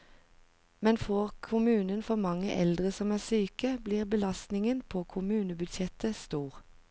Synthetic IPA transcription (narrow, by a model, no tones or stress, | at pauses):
mɛnfoːʁkʰʊmʉːnənfɔʁmɑŋəʔɛ̰ld̪ʁəsɔmæːʁsyːkəbliːʁbəlɑst̪nɪŋənpʰoːkʰʊmʉːnəbʉd̪ʃɛt̪əst̪uːʁ